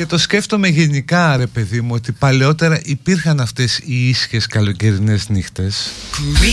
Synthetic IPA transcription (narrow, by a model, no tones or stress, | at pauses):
cet̪o̞sce̞ft̪o̞me̞ʝe̞nikɐɾe̞pe̞ðimuo̞t̪ipɐleo̞t̪e̞ɾɐʔipiɾxɐnɐft̪e̞siisçe̞skɐlo̞ceɾine̞znixt̪e̞s